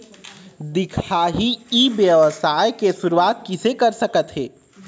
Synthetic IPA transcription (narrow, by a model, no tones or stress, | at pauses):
d̪ɪkʰaːɦiibjəʋəsaːjkesuɾuaːt̪̚kisekəɾsəkət̪ɦeː